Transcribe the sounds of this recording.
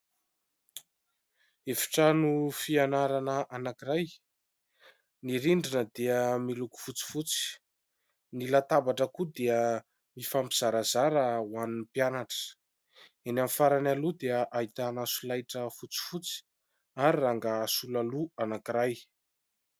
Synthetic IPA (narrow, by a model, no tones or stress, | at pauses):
efi̥ʈ͡ʂanufianaɾanəʔanakiɾaj | niɾiɳɖ͡ʐinəd̪eəmiluku̥fut͡si̥fut͡si̥ | nilat̪abaʈ͡ʂəkud̪eə | mifampiz̥aɾazaɾəwaninpianaʈ͡ʂə̥ | enamifaɾanalud̪eəʔait̪anasulajʈ͡ʂəfut͡si̥fut͡si̥ | aɾiraŋɡaːsulaluanakiɾaj